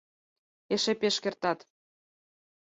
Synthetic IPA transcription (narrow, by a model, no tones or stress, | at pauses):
eʃepeʃkert̪ɑt̪